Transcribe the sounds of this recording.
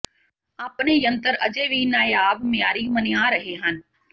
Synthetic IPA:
aːpnejə̃nt̪əɾəd͡ʒeːʋiːnaːjaːʋmɪjaːɾimənɪjãːɾəɦeːɦənɪ̆

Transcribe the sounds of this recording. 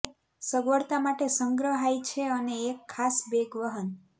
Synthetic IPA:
səɡʋəɽt̪amaʈesə̃ŋɡɾəɦajt͡ʃʰeəneːkʰːasbeɡʋəɦən

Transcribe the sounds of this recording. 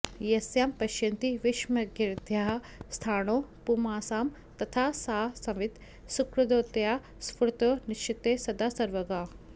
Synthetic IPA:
jɐsjaːmpɐʃɐnt̪iʋɪʃmɐɡiɾd̪ʱjaːɦɐ | st̪ʰaːnoːpumaːsaːm | t̪ɐt̪ʰaːsaːsɐʋɪt̪ | sukɾɐd̪oːt̪jaː | spɾut̪oːniʃt͡ʃit̪esɐd̪aːsɐɾʋɐɡaː

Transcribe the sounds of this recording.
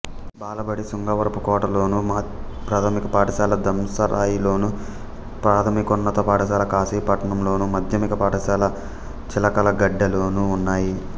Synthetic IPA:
baːlɐbɐɽisuŋɡɐʋɐɾɐpukɔːʈɐlo̞ːnum | pɾaːt̪ʰɐmikɐpaːʈɐʃaːlɐd̪ɐmsɐɾʔaːjilo̞ːnu | pɾaːt̪ʰɐmikunːɐt̪ɔːpaːʈɐʃaːlɐkaːsiːpɐʈɐnɐmlo̞ːnumɐd̪ʱjɐmikɐpaːʈɐsaːlɐ | t͡ʃilɐkɐlɐɡɐɖːɐloːnuːnːaːji

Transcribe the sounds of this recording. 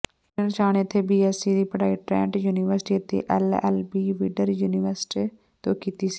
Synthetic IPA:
ənt͡ʃaːneːət̪ʰeːbiːɛːsiːd̪iːpəɽaːiːʈɾɛ̰̃ːɳʈjuːnɪːʋəɾsʈiːət̪ːḛːʔɛːlɛ̰ːlbiːʋiːɖəɾjuːnɪːʋəɾsʈiː | t̪õːkiːt̪iːsi̥ː

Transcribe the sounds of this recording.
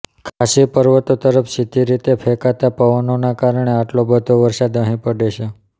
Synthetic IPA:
kʰasipəɾʋət̪ot̪əɾəfsit̪iɾit̪efʰekat̪apəʋənonakaɾəɳeaʈlobəd̪ʱoʋəɾsad̪əɦĩpəɖeʃʰe

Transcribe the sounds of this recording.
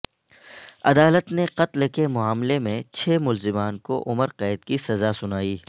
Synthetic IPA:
ɐd̪aːlət̪neqɐt̪lkemʊaːmlemẽt͡ʃʰeːmʊlzɪmaːnkoʔʊməɾqɛːɪd̪kisɐzasʊnaːiː

